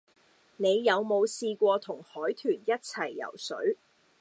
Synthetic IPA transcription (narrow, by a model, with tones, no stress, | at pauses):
ne˨˧jːɐ˨˧wmo˨˧wsiː˧kʷɔː˧t̪ʰʊ˨˩ŋhɔː˨˥jt̪ʰyː˨˩njɐ˥t̚t͡sʰɐ˨˩jːɐ̰˨˩wsɵ̰˨˥ɥ